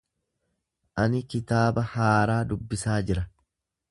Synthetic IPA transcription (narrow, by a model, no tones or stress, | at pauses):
ʔɐnɪkɪt̪aːbɐhaːɾaːd̪ʊbːɪsaːd͡ʒɪɾɐ